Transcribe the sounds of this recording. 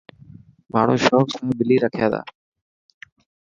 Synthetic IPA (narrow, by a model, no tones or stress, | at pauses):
maːɽ̤oːʃoːksbɪliːɾəkʰja̰ːd̪a̰ː